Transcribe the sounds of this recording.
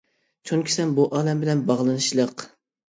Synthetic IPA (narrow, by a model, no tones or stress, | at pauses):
t͡ʃʰuŋkʲʰi̥sɛnbuʔɑːlɛmbɪlɛnbɑʁlˠɨnɨʃlˠəq